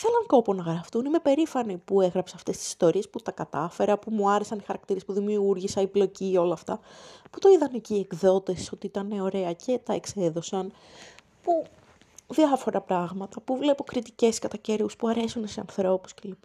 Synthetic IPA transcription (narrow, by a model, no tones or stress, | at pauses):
θelɐŋko̞ponɐɣɾɐft̪unime̞pe̞ɾifɐnipue̞ɣɾɐpseɐft̪e̞st̪isi̥st̪o̞ɾiesput̪ɐkɐt̪ɐfe̞ɾɐpumuɐɾe̞sɐnixɐɾɐk̚t̪iɾe̞spuðimiuɾʝisɐiblo̞cio̞lɐːft̪ɐpu̥t̪o̞iðɐneciːe̞kðo̞t̪e̞so̞t̪iit̪ɐneo̞ɾe̞ɐcʰe̞t̪ɐekse̞ðo̞sɐn | pu | ðiɐfo̞ɾʔɐpɾɐɣmɐt̪ɐpuvle̞po̞kɾit̪ice̞skɐt̪ɐce̞ɾvuspuɐɾe̞sunseɐ̰nθɾo̞pu̥scelip